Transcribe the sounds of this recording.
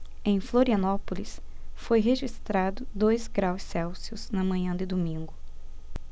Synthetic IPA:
ẽj̃floɾiɐnɔpolisfojɦeʒist̪ɾad̪ʊd̪ojzɡɾawsːɛwsiʊz̥nɐmɐ̃ɲɐ̃d̪ɪd̪omĩŋɡʊ

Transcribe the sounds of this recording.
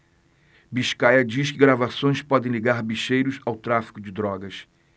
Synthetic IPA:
biʃkajɐd͡ʒiʃkɪɡɾavasõj̃spɔd̪ẽj̃liɡaɾbiʃejɾʊsawt̪ɾafi̥kʊd͡ʒɪd̪ɾɔɡɐs

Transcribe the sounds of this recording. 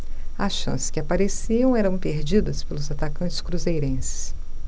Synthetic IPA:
ɐsʃɐ̰̃sɪ̥skʲɪapaɾesiɐ̃w̃ɛɾɐ̃w̃peɾd͡ʒid̪ɐspelʊzat̪akɐ̃t͡ʃɪ̥skɾuzejɾẽsɪ̥s

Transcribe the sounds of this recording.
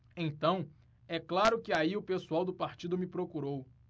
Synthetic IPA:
ẽt̪ɐ̃w̃ | ɛklaɾʊkɪaiʊpesuawd̪ʊpaɾt͡ʃid̪ʊmɪpɾokuɾow

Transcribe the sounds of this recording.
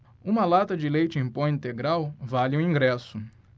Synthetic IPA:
ũmɐlat̪ɐd͡ʒɪlejt͡ʃɪẽj̃põĩnt̪eɡɾawvalɪũĩŋɡɾɛsʊ

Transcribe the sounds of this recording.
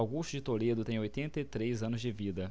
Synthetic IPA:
awɡusʃt͡ʃʊd͡ʒɪt̪oled̪ʊt̪ẽj̃ojt̪ẽnt̪ɐit̪ɾezɐ̃nʊzd͡ʒɪvid̪ɐ

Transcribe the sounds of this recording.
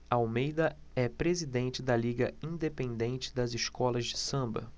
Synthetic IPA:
aawmejd̪ɐ | ɛpɾezid̪ẽnt͡ʃɪd̪ɐliɡɐĩd̪epẽnd̪ẽnt͡ʃɪ̥d̪ɐzɪʃkɔlɐzd͡ʒɪsɐ̃mbɐ̰

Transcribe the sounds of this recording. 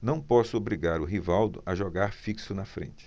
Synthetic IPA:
nɐ̃w̃pɔsʊobɾiɡaɾʊɦivawd̪ʊʔɐʒɔɡaɾfiksʊnɐfɾḛ̃nt͡ʃɪ̥

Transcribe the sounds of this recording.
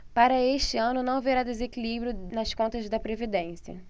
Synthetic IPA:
paɾɐeʃt͡ʃɪɐ̃nʊnɐ̃w̃veɾad̪ezekilibɾjʊnɐskõnt̪ɐzd̪ɐpɾevid̪ẽsiɐ̰

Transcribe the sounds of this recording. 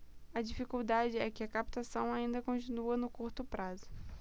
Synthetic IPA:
ɐd͡ʒifikuwd̪ad͡ʒɪɛkɪɐkap̚t̪asɐ̃w̃aĩnd̪ɐkõt͡ʃinuɐnʊkuɾt̪ʊpɾazʊ

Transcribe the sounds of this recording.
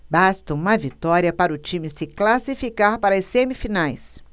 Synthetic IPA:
bast̪ɐũmɐvit̪ɔɾiɐpaɾʊt͡ʃĩmɪsɪklasifikaɾpaɾɐɐsẽmifinajs

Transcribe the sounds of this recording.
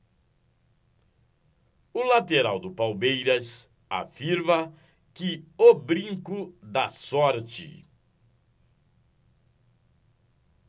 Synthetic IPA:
ʊlat̪eɾawd̪ʊpawmejɾɐs | a̰fiɾmɐ | kɪobɾĩŋkʊd̪ɐsɔɾt͡ʃɪ̰

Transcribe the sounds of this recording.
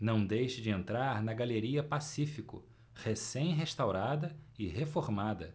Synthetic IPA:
nɐ̃w̃d̪ejʃɪd͡ʒɪẽnt̪ɾaɾnɐɡaleɾiɐpasifikʊ̰ | hesẽj̃ɦeʃt̪awɾad̪ɐɪɦefoɾmad̪ɐ

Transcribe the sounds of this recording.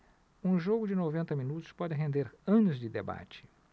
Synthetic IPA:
ũʒoɡʊd͡ʒɪnovẽnt̪ɐminut̪ʊ̥spɔd͡ʒɪɦẽnd̪eɾɐ̃nʊzd͡ʒɪd̪eba̰t͡ʃɪ̥

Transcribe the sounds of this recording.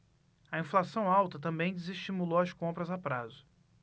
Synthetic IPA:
ɐĩflasɐ̃w̃awt̪ɐt̪ɐ̃mbẽj̃d͡ʒɪzeʃt͡ʃimulowɐskõmpɾɐzapɾazʊ

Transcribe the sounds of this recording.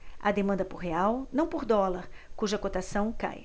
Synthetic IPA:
ɐ̰d̪emɐ̃nd̪ɐpoɾɦeawnɐ̃w̃poɾd̪ɔlɐɾkuʒɐkot̪asɐ̃w̃ka̰j

